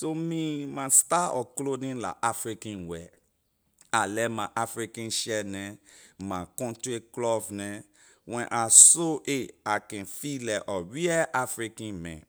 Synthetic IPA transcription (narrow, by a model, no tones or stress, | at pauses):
somĩmastaɔklodĩnla̰ʔafɹikãnwɛ | alɛmãʔafɹikãnʃɛnɛ̃makɔ̃ntɹeklɔvnɛ̃ | wɛ̃nʔasoʔeakɛ̃nfilɛʔɔɹiɛʔafɹikãnmɛ̰̃